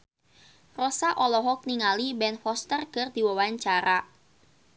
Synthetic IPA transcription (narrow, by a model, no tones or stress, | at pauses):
rɔsaʔɔlɔɦɔk̚niŋalibɛnfɔst̪ərkɨrdiwawaɲt͡ʃaɾa